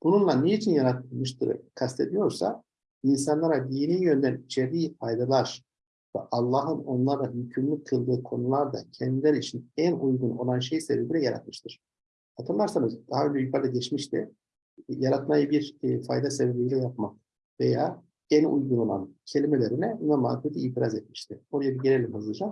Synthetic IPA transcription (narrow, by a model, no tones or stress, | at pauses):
b̥ununlˠanːejit͡ʃʰinjaɾat̪̚mɯʃt̪ʰɯ̰ɾ̰kʰast̪ʰed̪ijo̞ɾsa̰ | ins̬anlˠaɾad̪ijniːjø̞nd̪ænit͡ʃʰeɾd̪iːfajd̪alˠaɾ̥ | vɛ̰ʔalˠːaːɦɯno̞nlˠaɾlˠajycʰymlʲyckʰːɯlˠd̪ɯːkʰo̞nulˠaɾd̪a̰cʰɛnd̪ilʲæɾit͡ʃʰinænujɡuno̞lˠanʃ̬e̞jsebebilʲɛjaɾa̰t̪̚mɯʃt̪ʰɯɾ̥ | hat̪ʰɯnlˠaɾsanɯzd̪̥aɦaø̞nd͡ʒɛjukʰaɾd̪aɟɛt͡ʃmiʃt̪ʰi | jaɾat̪majɯbiɾfa̰jd̪asebebʲijlʲɛjap̚mak̪ | vḛjaː | ænṵjɡuno̞lˠa̰ncʰe̞lʲimelʲe̞ɾinɛnamaːt̪et̪ʰiiːt̪ʰiɾazɛt̪̚mi̥ʃt̪ʰɪoɾajabiɟeɾʲelʲimɦazɯd͡ʒam